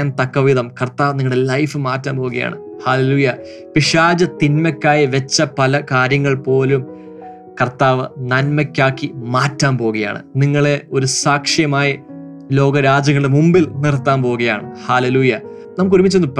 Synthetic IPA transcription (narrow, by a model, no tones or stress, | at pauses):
ant̪ɐkːɐʋiðɐmkɐrt̪aːʋniŋːɐɭɽelɐjfɨmaːtːaːnpo̞ːuɣɐja̰ːɳɨ | haːleluːjɐ | piʂaːd͡ʑɐt̪inmɐkʲːaːjiʋet͡ɕːɐpɐlɐkaːɾjɐŋːɐɭpo̞ːlum | kɐrt̪aːʋɨnɐnmɐkʲːaːkːimaːtːaːnpo̞ːuɣɐja̰ːɳɨ̰niŋːɐɭe̞o̞ɾusaːkʂjɐmaːjɐ | lo̞ːɡɐɾaːd͡ʑɐŋːɐɭɖemumbilnirt̪ːaːnpo̞ːuɣɐja̰ːɳɨhaːleluːjɐ | nɐmːɨkːuɾumːit͡ɕːenːɨpː